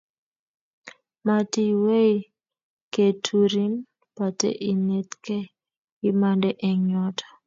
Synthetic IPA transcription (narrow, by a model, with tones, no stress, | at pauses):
ma˨ti˨we˦i | ke˨tʰu˨ɾi˦n | pa˨tḛ˦ʔi˨ne˦t̪kɛ˦ | i˦ma˦ndɛ˦ʔɛ˨ɲɔ˦tʰḁ˨